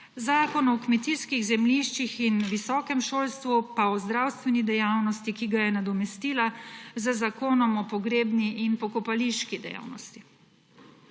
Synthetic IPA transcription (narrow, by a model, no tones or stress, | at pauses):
zaːkɔnɔkmɛt̪iskiɣzɛmliʃt͡ʃixinʋisɔːkɛmʃoːlst̪ʋupaɔzd̪ɾawst̪ʋɛnid̪ɛjawnɔst̪ikiɡajɛnad̪ɔmɛst̪iːlazəzakoːnɔmɔpɔɡɾeːbniʔinpɔkɔpaliʃkid̪ɛ̰ja̰ːwnɔst̪i